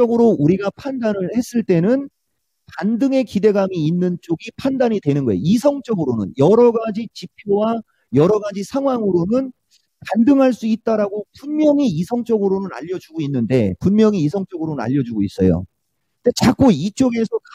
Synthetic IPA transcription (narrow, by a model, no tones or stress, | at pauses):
ʌɡɯɾouɾiɡapʰandanɯɭhe̞s͈ɯɭt͈e̞nɯn | pandɯŋe̞kide̞ɡamiːnːɯnt͡ɕ͈oɡipʰandaɲidwe̞nɯnɡʌjḛjo̰isʰʌŋt͡ɕ͈ʌɡɯɾonɯ̰njʌɾʌɡad͡ʑit͡ɕipʰjowa | jʌɾʌɡad͡ʑisʰaŋɦwaŋɯɾonɯn | kandɯŋɦaɭs͈uit̚t͈aɾaɡopunmjʌŋiisʰʌŋt͡ɕ͈ʌɡɯɾonɯna̰ʎːʌd͡ʑuɡoinːɯnde̞̰punmjʌŋiːsʰʌŋt͡ɕ͈ʌɡɯɾonɯna̰ʎːʌd͡ʑuɡois͈ʌ̰jo̰ | det͡ɕak͈oit͡ɕ͈oɡe̞sʰʌk